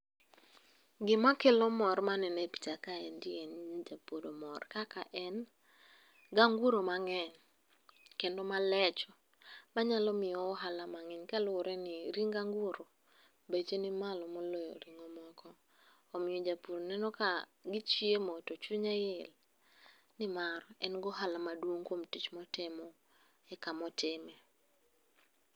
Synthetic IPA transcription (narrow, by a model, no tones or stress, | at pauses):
ɡɪmakelɔmɔɾmanɛnepi̥takaɛndɪɛnd͡ʒapodomɔrkakaʔɛn | ɡaŋɡuɾomaŋɛɲ | kendɔmalɛt͡ʃɔ | maɲalɔmɪjɔːɦalamaŋɛɲkalʊɾɛnɪɾiŋɡaŋɡuɾo | bet͡ʃenɪmalɔmɔlojɔ̰ɾiŋɔmɔkʰɔː | mɪɔd͡ʒapuɾnɛnɔkaɡɪt͡ʃiemɔtot͡ʃuɲajɪl | nɪmaɾɛnɡɔɦalamadwoŋkomtit͡ʃmɔtɪmɔ | ɛkamɔtɪmɛ